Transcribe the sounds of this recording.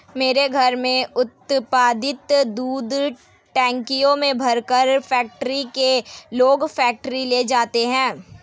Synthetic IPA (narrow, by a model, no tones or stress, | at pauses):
meːɾeɡʱɐɾmẽʊt̪paːd̪ɪt̪d̪uːd̪ | ʈɛ̃ːŋkijõmẽbʱɐɾkəɾfʰɛːk̚ʈɾikeloːɡfʰɛːk̚ʈɾileːd͡ʒaːt̪eɦɛ̃ː